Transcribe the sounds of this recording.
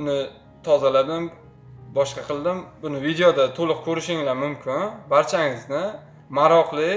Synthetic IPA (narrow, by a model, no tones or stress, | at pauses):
ʊnɪ | t̪ʰɒzalad̪ɪm | bɒʃqɑqʰɨlˠd̪ɪmbʊnɪvid̪ejod̪at̪ʰolˠɨq̚kʲʰɵɾɪʃɪŋlamʊmkʲʰɪnbaɾt͡ʃʰaŋɪznɪ | maɾɒqlˠɪ